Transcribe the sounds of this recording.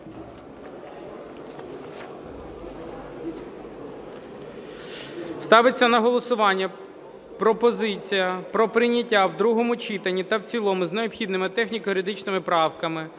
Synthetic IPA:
st̪ɑʋɪt͡sʲːɐnɐɦɔlˠɔsʊʋɑnʲːɐ | pɾɔpɔzɪt͡sʲijɐpɾɔpɾɪnʲɐtʲːawd̪ɾuɦɔmʊt͡ʃit̪ɐnʲːit̪ɐwt͡sʲilˠɔmʊzneɔpxʲid̪nɪmɪt̪ɛxnʲikɔjɾɪd̪ɪt͡ʃnɪmɪpɾɑwkɐmɪ

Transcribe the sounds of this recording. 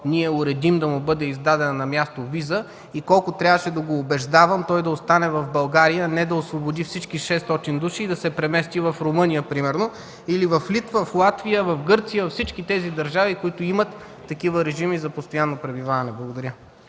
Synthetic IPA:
niɛʊɾɛd̪imd̪ɐmubɤd̪ɛizd̪ad̪ɛnɐnɐmjast̪ovizə | ikɔlˠkʊt̪ɾʲjavəʃɛd̪ɐɡoːbɛʒd̪avɐmt̪ɔjd̪ɐost̪anɛvɐvbɐlˠɡaɾijənɛd̪ɐosvobod̪ifsit͡ʃkiʃɛst̪ɔt̪ind̪uʃiːd̪ɐsɛpɾɛmɛst̪ivɐfɾʊmɤnijəpɾimɛɾno | ilivɐflit̪vəflˠat̪vijəvɐfɡɤɾt̪sijəvɐfsit͡ʃkit̪ɛzid̪ɐɾʒavikoit̪ʊimɐt̪ː | ɐkivəɾɛʒimizɐpost̪ojanːopɾɛbivavɐnɛblˠɐɡod̪ɐɾʲə

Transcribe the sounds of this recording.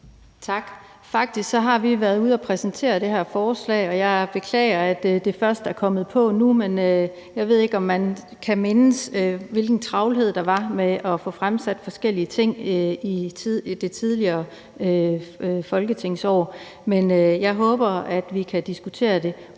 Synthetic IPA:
t͡sʰɑ̈ɡ̥ | fɑ̈ɡ̥̚d̥isɡ̥sɒ̽ɦɑ̈ʋiʋæɐð̩ˠuð̞ˠɒpʰʁɛsnt͡sʰe̝̰ːɐd̥e̝ɦæɐfɒːslɛ̰ːɒ̽jɑ̈ɪb̥e̝kʰlɛ̰ːɐæd̥d̥e̝fɶɐsd̥æɐkʰɒ̽mð̞̩ˠpʰɒ̽numenø | jɑ̈ɪʋe̝ð̞̰ˠe̝ɡ̥ɒ̽mːæn | kʰæme̝nəsʋe̝lɡ̥n̩t͡sʰʁɑ̈ʊlɦe̝ð̞̰ˠd̥ɑ̈ʋɑ̈meʔɒ̽fɔ̽fʁamsæd̥fɒ̽sɡ̥el̰iət͡sʰe̝ŋ̰id̥e̝t͡sʰið̞ˠliɐː | fɒ̽lɡ̥ət͡sʰe̝ŋ̰sɒ̰ː | menøjɑ̈ɪɦɔ̽ːb̥ɐæd̥ʋikʰæd̥isɡ̥ut͡sʰe̝̰ːɐd̥e̝

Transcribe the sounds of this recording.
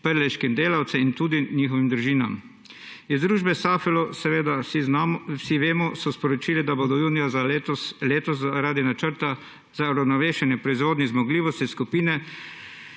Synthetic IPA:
pəɾlɛʃkimd̪eːlawt̪sɛint̪uːd̪iniːxɔʋimd̪ɾuʒiːna̰m | izd̪ɾuːʒbɛsaːfɛlɔsɛʋeːd̪a | siʋeːmɔsɔspɔɾɔt͡ʃiːlid̪abod̪ɔjuːnijazasleːt̪ɔs̬aɾaːd̪inat͡ʃəɾt̪a | z̥auɾawnɔʋeːʃɛnjɛpɾɔizʋoːd̪nizmɔɡliːʋɔst̪iskupiːnɛ

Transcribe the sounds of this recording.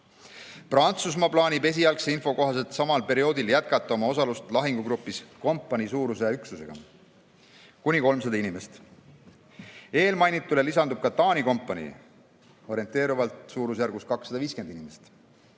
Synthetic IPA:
prɑnt̪sus̬mɑplɑːnʲibe̞s̬iɑlkseinfo̞ko̞ɦɑse̞lt̪sɑmɑlpe̞ɾio̞ːd̪iljæt̪̚kɑt̪ːˑɑo̞mɑo̞sɑlust̪lɑɦiŋɡ̥uɡɾupːˑisko̞mpˑːɑnʲisuːɾus̬eyksuse̞ɡ̥ɑ̰ | kunʲiko̞lmsɑd̪ɑinime̞st̪ | e̞ːlmɑjnit̪ːˑulelisɑnd̪ub̥̚kɑt̪ɑːnʲiko̞mpːˑɑnʲḭ | o̞ɾie̞nt̪ːˑe̞ːɾuvɑlt̪ˑsuːɾusjærɡust̪̚kɑksːɑd̪ɑviːske̞nd̪inimest̪

